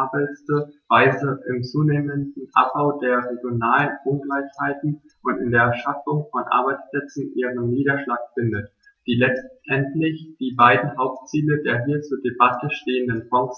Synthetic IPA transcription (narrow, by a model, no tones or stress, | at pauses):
bəstəv̥aɪzəʔɪmt͡suːneːməndn̩ʔa̰p̚b̥aʊdeːɐʁeɡjonaːlənʔʊnɡlaɪçhaɪtn̩ | ʔʊntɪndeːɐʃafʊŋfɔnʔa̰ɐbaɪt͡spl̥ɛt͡sn̩ʔiːʁənːiːɾɐʃlaːkfɪndət | d̥iːlɛt͡stʔɛntlɪçd̥iːbaɪdn̩ɦaʊp̚tt͡siːlədeːɐɦiːɐt͡suːɐdebatəʃteːəndənfɔŋs